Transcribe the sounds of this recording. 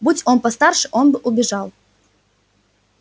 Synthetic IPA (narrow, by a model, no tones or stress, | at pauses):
but͡sʲɔnpɐst̪arʂɨʔɔnbɨʔʊbʲɪʐalˠ